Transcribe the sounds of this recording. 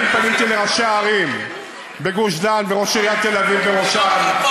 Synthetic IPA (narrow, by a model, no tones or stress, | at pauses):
mtanimt̪ileʁaʃeaːʁim | beɡuʃdanveʁoʃeʁiat̪e̞lavivbeʁoʃan